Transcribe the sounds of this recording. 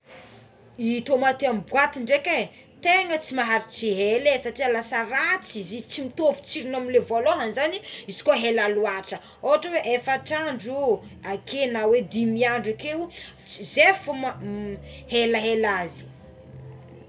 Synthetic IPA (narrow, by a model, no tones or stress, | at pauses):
it̪omat̪eambwat̪iɳɖ͡ʐeke | t̪eŋət͡simaɦaɾit͡siɦelesaʈ͡ʂialasəɾat͡sizit͡simit̪ovu̥t͡siɾunamilevoloɦanzaniizi̥koɦelaluaʈ͡ʂə | oaʈ͡ʂəweʔefaʈ͡ʂaɳɖ͡ʐuakʰenawed̪imiaɳɖ͡ʐakeu | t͡sizefum | heləɦelazi̥